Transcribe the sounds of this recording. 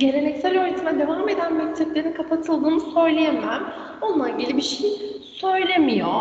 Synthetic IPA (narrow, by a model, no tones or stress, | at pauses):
ɟe̞ɾʲe̞nɛcsælʲøɾynt̪ʰimɛd̪e̞vame̞d̪ænbøksʰɛclʲeɾinkʰapʰat̪ʰɯlˠd̪ɯːnɯsø̞jlʲejemæm | onunˠaɟilʲibiʃej | sø̞jlʲe̞mijo̞